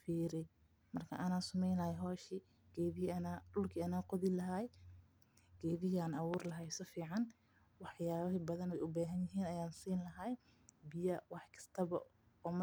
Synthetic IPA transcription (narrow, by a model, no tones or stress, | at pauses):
fiːɾɛj | mɐrkʰɐ̰ʔɐnaːsʊmɛjnlɐhɛɦɔːʃi | ɡ̥ɛːðɪhɐnaːɖʊlkʰiːɐnaːqɔðɪlɐɦaj | ɡ̥ɛːðɪɦiaːnɑwuːrlɐɦɐjsɔfiːʕɑn | wɑħjaːβɐɦibɐðɐnɛjʊbaːɦɐnjɪɦiːnɐjaːnsiːnlɐɦaj | bɪjɐwɑħkʰɐ̥st̪ʰɐβɐ | ɔːm